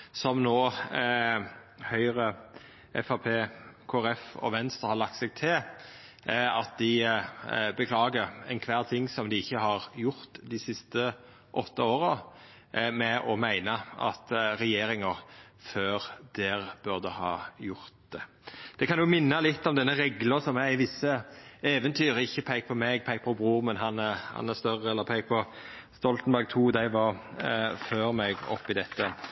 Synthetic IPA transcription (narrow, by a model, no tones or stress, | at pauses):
sɔmnoː | hœʏʁə | ʔɛfɑpʰeːkʰoːæɾɛfɔ̰ʋɛnst̪ʁəhɑlɑk̚t̪sɛɡ̚t̪ʰɪl | ɑt̪̚d̪ɪ | bəkʰlɑːɡəɾɛɪnkʰʋæːʁt̪ʰɪŋːsɔmd̪ɪɪçːəhɑʁjʊɾt̪d̪ɪsɪst̪ə | ʔɔt̪ːəoːɾə | mɛʔɔmæɪnəʔɑ̰t̪ɾɛjeːɾɪŋəɾ | føːɾd̪̥ɛːɾbʉʁd̪əhɑ̰ːjʊɾt̪̚d̪̥ɛ | d̪̥ɛkʰɑnjʊmɪnːəlɪt̪ːɔmd̪ɛnːəɾɛɡləsɔmæɾɪʋɪsːəeːʋənt̪ʰyːɾəɪçːəpʰæɪk̚pʰɔmɛɡ̚pʰæɪk̚pʰɔbʁuːʁmɛnɦɑnhɑ̰næst̪œɾəɛlːəɾpʰæɪk̚pʰɔ | st̪ɔlt̪n̩bæɾɡ̚t̪ʰuːd̪æɪʋɑɾ | føːɾmɛɡɔ̰pːɪd̪ɛt̪ːə